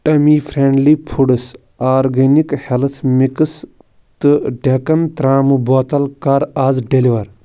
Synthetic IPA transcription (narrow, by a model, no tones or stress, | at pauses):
ʈɐmiːfʰɾeːɳɖliːpʰuɽɨs | aːɾɡenikhelt̪ʰmikɨs | t̪ɨɖʱʲekɐnt̪ɾaːmuboːt̪ɐlkɐɾaːzɖeliʋɐɾ